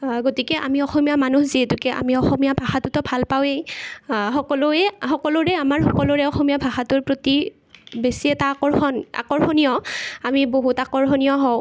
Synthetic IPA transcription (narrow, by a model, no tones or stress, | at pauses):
ɡotikɛʔa̰miɔxɔmijamanuhziɦɛtʊkɛʔa̰miɔxɔmijabʱaxatʊtɔbʱalpawejxɔkɔlʊɛxɔkɔlʊɹɛamaɹhɔkɔlʊɹɛɔxɔmiabʱaxatʊɹpɹoti | besiɛtaːkɔɹxɔna̰kɔɹxɔnijɔamiboɦutakɔɹxɔnijɔɦɔw